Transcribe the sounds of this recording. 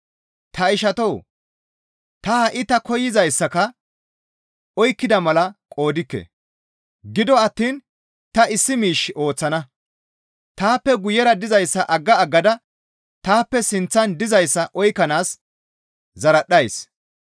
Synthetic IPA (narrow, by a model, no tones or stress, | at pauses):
t̪ɐɪʃɐt̪ow | t̪ɐhɐʔɪt̪ɐkɔjɪzɐjsːɐkɐ | ɔjkːɪd̪ɐmɐlɐkʼo̞ːd̪ɪkːɛ̰ | ɡɪd̪ɔɐt̪ːiːn | t̪ɐɪsːɪmiːʃɪo̞ːt͡sːɐnɐ | t̪aːpːɛɡʊjɛɾɐd̪ɪzɐjsːɐʔɐɡːɐːɡːɐd̪ɐ | t̪aːpːɛsɪnt͡sːɐnd̪ɪzɐjsːɐʔɔjkːɐnaːs | zɐɾɐɗːɐjs